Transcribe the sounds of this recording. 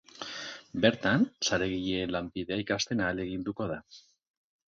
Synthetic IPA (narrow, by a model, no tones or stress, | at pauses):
be̞ɾt̪ansaɾe̞ɣiʎeːnlambiðe̞aikast̪e̞naːle̞ɣ̞ind̪uko̞ð̞a